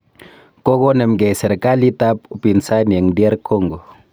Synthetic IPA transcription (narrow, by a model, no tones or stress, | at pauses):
koɡonəmɡɛsɛɾkalit̪ap̚upinsaniaŋdiaɾkʰɔŋɡo